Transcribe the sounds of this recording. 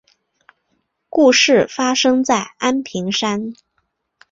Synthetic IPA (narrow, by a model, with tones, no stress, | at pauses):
ku˥˧ʂɻ̩˥˩fa˥ʂɤ˥ŋt͡sa˥˩ɪa˥npʰi˧˥ŋʂa˥n